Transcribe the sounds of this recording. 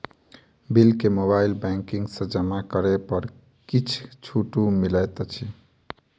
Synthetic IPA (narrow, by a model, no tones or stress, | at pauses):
bilkemoβailbɛŋkiŋɡsə̃d͡ʒəmakəɾepəɾ | kit͡ʃʰt͡ʃʰuʈumilɛt̪t͡ʃʰi